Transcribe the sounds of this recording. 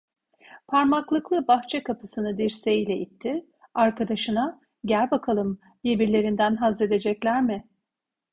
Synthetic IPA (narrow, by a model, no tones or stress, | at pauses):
pʰaɾmaklˠɯklˠɯbaxt͡ʃʰɛkʰapʰɯsɯnɯd̪iɾsejilʲɛʔit̪ʰːɪ | aɾkʰad̪aʃɯna | ɟælʲbakʰalˠɯm | d̪ijebiɾlʲe̞ɾind̪ænɦazed̪e̞d͡ʒɛclʲæɾmɪ